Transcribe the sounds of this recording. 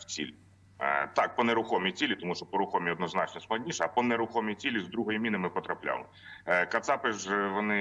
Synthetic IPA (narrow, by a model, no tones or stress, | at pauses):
t͡sʲḭl̰ʲ | t̪ɑk̚pɔneɾʊxɔmʲit͡sʲilʲit̪ɔmuʃt͡ʃɔpɔɾʊxɔmʲiɔd̪nɔznɑt͡ʃnɔsklˠɐdʲnʲiʃɛɐpɔneɾʊxɔmʲit͡sʲilʲizd̪ɾuɦɔjimʲinɪmɪpɔt̪ɾɐplʲa̰lˠɪ̰ | kɐt̪sɑpɪʒʋɔnɪ